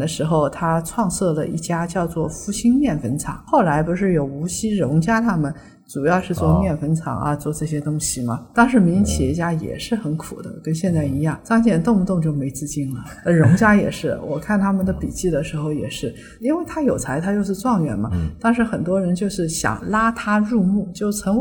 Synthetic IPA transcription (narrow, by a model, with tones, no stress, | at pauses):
d̪ə˦ʂɻ̩˧˥xo˧ʊt̪ʰa˥ʈ͡ʂʰwɑ˥˧ŋsɤ˥˩lə˩ʔḭ˥˩t͡ɕja˥t͡ɕjɑ˥˧ʊt͡swɔ˥˩fu˧˥˩ɕi˥nmjɛ˥˩nfə˧˥nt͡sʰɑ̰˨˩˦ŋxo˥˩ʊla˧˥ɪpu˧˥ʂ̬ɻ̩˥˩jo˨˩ʊu˧˥ɕi˥ɻʊ˧˥ŋt͡ɕja˥t̪ʰa˥mə˨n | ʈ͡ʂu˨˩jɑ˥˧ʊʂɻ̩˥˧t͡swɔ˥˧mjɛ˥˩nfə˥nt͡sʰɑ̰˨˩˦ŋɐ̰˧t͡swɔ˥˧ʈ͡ʂɤ˥˩ɕjɛ˥t̪ʊ˥ŋɕi˨mɐ̰˩t̪ɑ˥ŋʂɻ̩˥˩mi˧˥ŋt͡ɕʰi˨˩ɛ˧˥t͡ɕja˥jɛ̰˨˩ʂɻ̩˥˩xə˧˥nkʰṵ˨˩d̪ə̰˦kə˥nɕjɛ˥˧nt͡sa˥˩ɪi˧˥jɑ˥˩ŋt͡sɑ˥ŋt͡ɕjɛ˥˩nt̪ʊ˥˧ŋu˥˧t̪ʊ˥˧ŋt͡ɕjo˥˩ʊme˧˥ɪt͡sɹ̩˥˧t͡ɕi˥˩nlə˩ə˧ɻʊ˧˥ŋt͡ɕja˥jɛ̰˨˩ʂɻ̩˥˩wʔɔ̰˨˩kʰa˥˩nt̪ʰa˥mə˨nd̪ə˩pi˨˩t͡ɕi˥˩d̪ə˩ʂɻ̩˧˥xo˥˧ʊjɛ̰˨˩ʂɻ̩˥˩ | i˥nwe˥˩ɪt̪ʰa˥jo˨˩ʊt͡sʰa˧˥ɪt̪ʰa˥t͡ɕjo˥˧ʊʂɻ̩˥˧t͡swɑ˥˧ŋɥɛ̰˧˩nmɐ̰˦t̪ɑ˥ŋʂ̬ɻ̩˧˥xə˨˩nt̪wɔ˥ɻə˧˥nt͡ɕjo˥˧ʊʂɻ̩˥˩ɕjɑ̰˨˩ŋla˥t̪ʰa˥ɻu˥˧mu˥˩t͡ɕjo˥˩ʊt͡sʰɤ˧˥ŋ